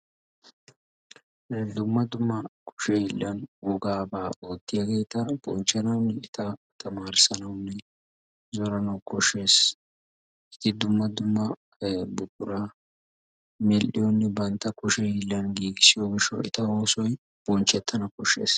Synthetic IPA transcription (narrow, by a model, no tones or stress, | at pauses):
d̪ʊmːɐd̪ʊmːɐkʊ̥ʃɛɪlːɐnwɔɡaːbaːoːt̪ːɪjɐɡeːt̪ɐb̥ɔnt͡ʃːɐnɐwnːɛɪt̪ɐt̪ɐmaːɾɪsɐnɐwnːɛ | zɔɾɐnɐwkɔʃe̞ːs | ɪ̥t̪ːɪd̪ʊmːɐd̪ʊmːɐ | bʊkːʊɾa | mɛlʔɪjonːɛbɐnt̪ːɐkʊʃɛɪlːɐnɡiːɡɪsɪjoːɡɪʃɔ̰ɪ̰t̪ɐoːsɔj | b̥ɔnt͡ʃːɛt̪ʰːɐnɐkɔʃːḛːs